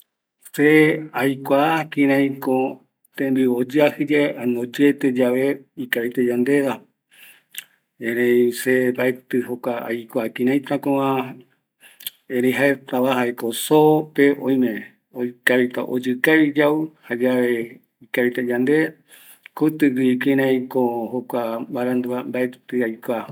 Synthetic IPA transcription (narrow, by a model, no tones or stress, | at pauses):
seajkʷakĩɾ̃ãj̃kõ | t̪ẽmbiod͡ʒɨahɨd͡ʒaeʔanõd͡ʒet̪ed͡ʒaʋe̞ikaβit̪ed͡ʒand̪e̞ða | ẽɾẽjsebaet̪ɨhokʷaa̰jkʷakĩɾ̃ãj̃t̪ãkõã | eɾẽjɦaet̪aβaɦaekosopeʔõj̃mẽ | okaβit̪a̰ʔo̰d͡ʒɨkaβid͡ʒauhad͡ʒaʋe | ikaβit̪ed͡ʒand̪e | kut̪ɨwikĩɾ̃ãj̃kohokʷabaɾãnd̪uambaet̪ɨajkʷa